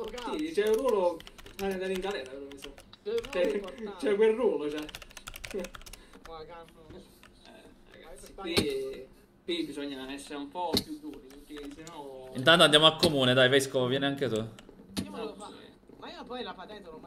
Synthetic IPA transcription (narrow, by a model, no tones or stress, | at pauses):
sid̪it͡ʃɛuruːload̪aɾiŋkalɛɾakeɾomisɔt͡ʃɛt͡ʃɛkwelːuːlot͡ʃɛ | ɛ | ɾa̰ɡa̰sːiwi | kːwibisɔɲːaɛsːeɾeumpɔpːjud̪ːuːɾipuɾkesenɔint̪̬ant̪oand̪jamoakːomuːned̪ajvɛskovovjɛːneaŋket̪u | maiopɔjlapad̪ɛnt̪ol